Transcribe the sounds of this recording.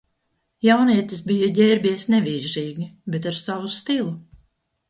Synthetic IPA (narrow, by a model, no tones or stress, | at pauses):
jawniɛt̪ʲis̬bijaɟʲɛːɾbʲiɛsnɛviːɾʒiːɡʲibet̪aɾsavust̪ilˠu